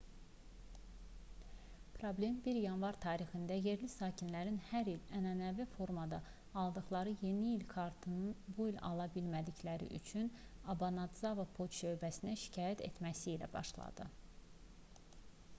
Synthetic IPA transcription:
pʰɾoblʲe̞mbiɾjɑnvɑɾt̪ʰɑːɾixind̪æje̞ɾlisɑːcʰinlæɾinhæɾilænænævifo̞ɾmɑd̪ɑː | lˠd̪ɯχlˠɑɾɯje̞niːlkʰɑɾt̪ʰɯnɯnbuilʲɑ̰lˠɑbilmæd̪içlæɾḭʔy̰t͡ʃʰynɑbɑnɑd̪zɑvɑpʰoʃø̞jbæsinæʃi̥cʰɑːjæt̪ʰe̞̰t̪mæsiːlæ̰bɑ̰ʃlˠɑ̰d̪̥ɯ

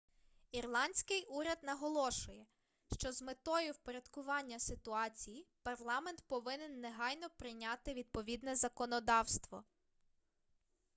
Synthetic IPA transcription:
irlˠɑnʲsʲkɪjʔuɾʲɐd̪nɐɦɔlˠɔʃʊjɛ | ʃt͡ʃɔzmet̪ɔjʊwpeɾʲɐd̪kʊʋɑnʲːɐsɪt̪ʊɑt͡sʲijipɐrlˠɑmɛnt̪pɔʋɪnɪnːeɦɑjnɔpɾɪjnʲat̪ɪʋʲid̪̚pɔʋʲid̪nɛzɐkɔnɔd̪ɑwst̪ʋɔ̰

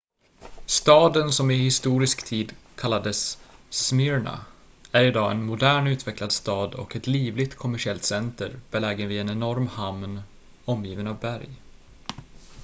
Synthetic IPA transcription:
st̪ɑːd̪ənsɔmɪhɪst̪uːɾɪskt̪ʰiːd̪kʰalːad̪əsː | mɪɾɳa̰ | æɾɪd̪ɑːɛnmʊd̪æːɳʉ̟ːt̪vɛklad̪st̪ɑːd̪ɔ̰kɛt̪liːvlɪɡt̪kʰɔmæʂɪɛlt̪sɛnt̪əɾb̥ɛlɛːɡənvɪɛnɛnɔɾmhamn | ɔmjiːvənavbæɾj

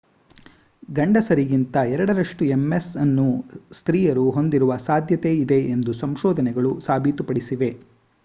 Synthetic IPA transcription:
ɡɐɳɖɐsɐɾiɡint̪ɐɛɾɐɽɐɾɐʂʈuemːesɐnːust̪ɾiːjɐɾuɦo̞nd̪iɾuʋɐsaːd̪ʱjɐt̪e̞id̪e̞end̪usɐmʃɔːd̪ʱɐnɛɡɐɭusaːbʱit̪upɐɽisiʋe̞

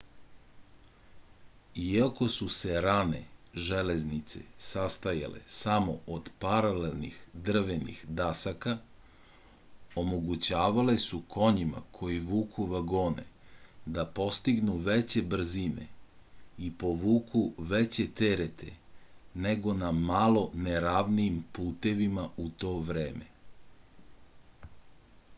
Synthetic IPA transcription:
iako̞suse̞ɾane̞̰ʒeleznit̪se̞̰sast̪aja̰le̞̰samo̞̰ʔod̪paɾalelnḭxd̪r̩ʋenḭxd̪asaka | omo̞ɡut͡ɕaːʋalesukʰo̞ɲima̰kʰo̞jiʋuːkʰuʋaɡo̞ːnḛd̪apo̞st̪iɡnuʋet͡ɕe̞br̩zinḛ | ipo̞ʋuːkʰuʋet͡ɕe̞t̪eɾet̪ʰe̞̰neɡo̞namalo̞neɾaːʋniimpuːt̪e̞ʋimaut̪o̞ːʋɾe̞ːme̞

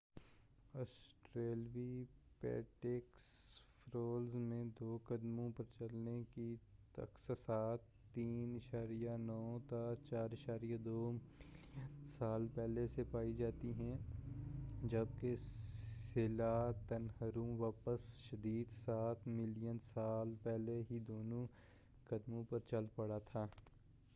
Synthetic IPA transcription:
ɔːsʈɾeːlʋipɛ̰ːʈeːksfʰɾoːlzmẽd̪oːkəd̪mõpɐɾt͡ʃɐlnekit̪ɐ̰ksəsaːt̪ːiːnɪʃaːɾijanɔːt̪at͡ʃaːɾɪʃaːɾijad̪oː | saːlpɛɦlesepaːid͡ʒaːt̪iɦɛ̃ | d͡ʒɐb̚kesɪlat̪ɐnɦəɾumʋaːpəsʃɐd̪iːd̪saːt̪ʰmɪlijənsaːlpɛɦleɦid̪oːnõ | kɐd̪mõpɐɾt͡ʃɐlpɐɽat̪ʰaː

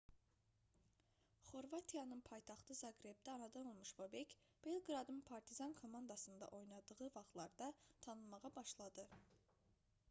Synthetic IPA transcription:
χo̞ɾvɑt̪ʰijɑnɯnpʰɑjt̪ʰɑχt̪ɯzɑɡɾe̞b̚d̪æɑnɑd̪ɑno̞lˠmuʃbobec | b̥elˠɡɾɑd̪ɯnpʰɑɾt̪ʰizɑnkʰo̞mɑnd̪ɑsɯnd̪ɑ̰ʔo̞jnɑd̪ɯʁɯvɑχlˠɑɾd̪ɑt̪ʰɑnɯlmɑʁɑbɑʃlˠɑd̪ɯ

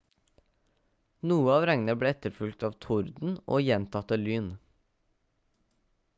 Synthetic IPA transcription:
nuːəɑːʋɾæŋn̩əbleːɛt̪əɾfʉlɡ̚t̪ɑːʋt̪ʰʊɾd̪n̩ʔo̰ːjɛnt̪ʰɑt̪əlyːn

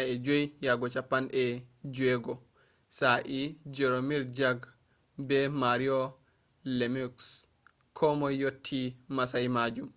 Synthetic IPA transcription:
aɛd͡ʒojjaɡɔt͡ʃapːanʔɛd͡ʒuɛɡɔ | saʔid͡ʒɛɾomiɾd͡ʒaɡ | bɛmaɾiɔ | lemiks | kʰɔmɔjotʰːimasajmad͡ʒum

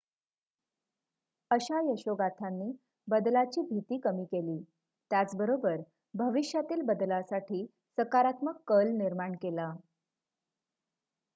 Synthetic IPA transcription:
əɕajəɕoɡat̪ʰanːiː | bəd̪lat͡ɕiːbʱit̪iːkəmiːkeliː | t̪jat͡sbəɾobəɾ | bʱəʋiɕjat̪iːlbəd̪lasaʈʰiː | səkaɾat̪məkːəlniɾmaɳkela

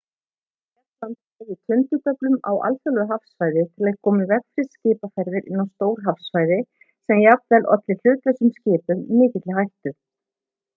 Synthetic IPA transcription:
ɛlant̪avɪt̪ʰʏnt̪ʏt̪œplʏmawa̰lfɛlðʏɦafsfajðɪt̪ʰɪlaðɪkʰɔːmɪvɛkfɾɪ̥scɪːpafɛjɾðɪɾɪ̰nːawst̪oːwɾ̥ɦafsfajðɪ | sɛmjap̪vɛlɔ̰t̪lɪl̥ʏːt̪lɛsʏmscɪːpʏmːɪːcɪt̪lɪɦajht̪ʏ

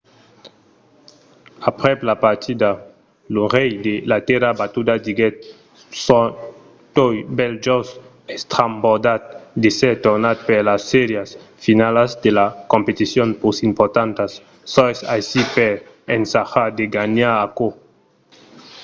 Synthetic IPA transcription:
apɾɛplapaɾt̪ʰid̪a | luʁɛjd̪elat̪ɛɾabat̪ud̪ad̪iɡɛt̪̚ | sɔ | t̪ojbɛld͡ʒɔs | ɛst̪ɾambod̪at̪̚d̪esɛɾt̪oɾnat̪̚peɾlasːɛɾjas | finalazd̪elakõmpet̪isjonpusimpɔɾt̪ant̪asː | ɔsajsipeɾ | ensaxad̪eɡaɲaɾako

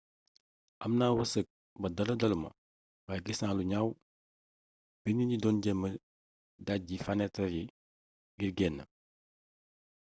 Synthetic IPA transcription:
ʔɐmnaːwɐsək̚ | bɐdɐlɐdɐlumɐ̰ | wajɡisnaːluɲaw | b̥iniɟidɔnɟɛmːə | daɟifanɛtɐɾji | ɡiɾɡɛnːɐ

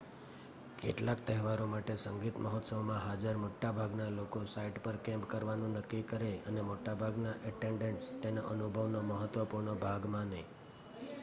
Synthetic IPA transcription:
kḛʈlak̚t̪əɦɛʋaɾomaʈesəŋɡit̪məɦɔt̪səʋmãɦad͡ʒəɾmoʈːabʱaɡnalokosaiʈpəɾkɛ̃mpkəɾʋanũnəkːikəɾeənemoʈabʱaɡnaʔəʈeɳɖẽɳʈst̪enoʔənubʱəʋnoməɦət̪ʋəpuɾɳəbʱaɡmãnəĩ

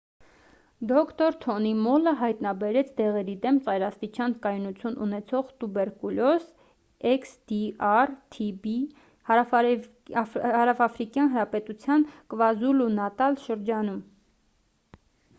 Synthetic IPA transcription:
d̪ɔkʰt̪ɔɾt̪ʰɔnimɔləɦɑjt̪nɑbɛɾɛt͡sʰd̪ɛʁɛɾid̪ɛmt͡sɑjɾɑst̪it͡ʃʰɑnkɑjnut͡sʰjunʔṵnɛt͡sʰɔʁt̪ubɛɾkulɔs | ɛksd̪̥iɑrt̪ʰibi | h | hɑɾɑfɑfɾikjɑnɦəɾɑpɛt̪ut͡sʰjɑnkvɑzulunɑt̪ɑlʃəɾd͡ʒɑnum

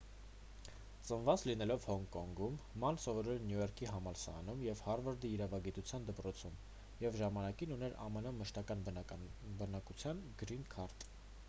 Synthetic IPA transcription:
t͡sənvɑt͡slinɛlɔvhɔŋkɔŋɡumːɑnsɔvɔɾɛɾnjujɔɾkʰiɦɑmɑlsɑ̰ːnumjɛvhɑɾvəɾd̪iːɾɑvɑɡit̪ut͡sʰjɑnd̪əpɾɔt͡sʰum | jɛvʒɑmɑnɑkinunɛɾɑ̰mɛnɔmːəʃt̪ɑkɑn | bənɑkut͡sʰjɑnɡɾinkʰɑɾt̪

